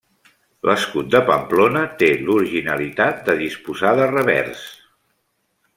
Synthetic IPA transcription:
lʔəskut̪̚d̪əpə̰mplonət̪eluɾiʒinəlit̪at̪̚d̪əðispuzaðərəβɛ̰ɾs

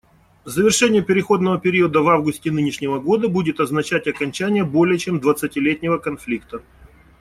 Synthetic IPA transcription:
zəvʲɪrʂɛnʲɪjəpʲɪɾʲɪxo̞d̪nəvəpʲɪɾʲiəd̪əvavɡʊsʲtʲɪnɨnʲɪʂnʲɪvəɡo̞d̪əbudʲɪt̪ɐznɐt͡ɕætʲɐkɐnʲt͡ɕænʲɪjəbo̞lʲɪjət͡ɕemd̪vət̪sətʲɪlʲetʲnʲɪvəkɐnflʲikt̪ə

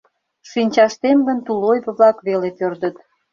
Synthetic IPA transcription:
ʃinʲt͡ɕɑʃt̪emɡə̆nt̪ulojβə̆βlɑkβelepørd̪ət̪

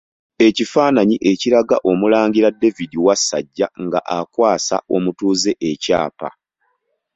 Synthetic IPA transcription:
e̞cifaːnaɲiʔe̞ciɾaɡa̰ʔo̞mulaːŋɡiɾadːe̞vidiwasːaɟːaŋɡaʔakwaːsa̰o̞mutuːze̞ʔeca̰ːpa̰

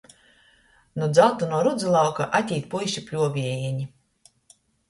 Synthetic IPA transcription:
nud̪zawt̪unuɔɾud̪zulˠawkaʔat̪ʲiːt̪̚pujʃʲipʲlʲuɔvʲiɛjiɛɲi

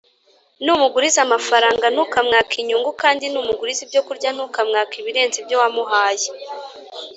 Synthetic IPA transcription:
numuɡuɾizamafaɾaːŋɡanuːkamŋaːkʰiɲuːŋɡukaːndinuːmuɡuɾizibɟo̞kuɾɟanuːkamŋaːkiβiɾe̞ːnzibjowamuɦaːje

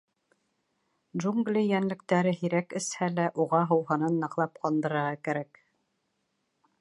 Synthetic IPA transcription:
ʒuŋɡlʲijænlɘ̆k̚t̪æɾɘɦiɾækɘ̆shælæʔuʁɑɦɤ̆wɦɤ̆nɤnːɤ̆qlˠɑp̚qɑnd̪ɤ̆ɾɤ̆ɾʁɑkæɾæk

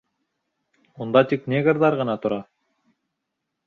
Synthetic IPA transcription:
und̪ɑt̪iknʲeɡəɾd̪ɑɾʁɑ̆nɑt̪uɾɑ

